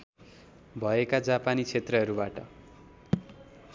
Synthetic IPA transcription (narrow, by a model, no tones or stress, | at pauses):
bʱʌekad͡zapanit͡sʰet̪rʌɦʌɾubaʈʌ